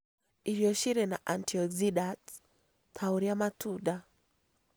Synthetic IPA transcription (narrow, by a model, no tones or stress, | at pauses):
iɾijɔʃiɾɛna̰ʔantiɔziɗat | tʰauɾiamatuɗa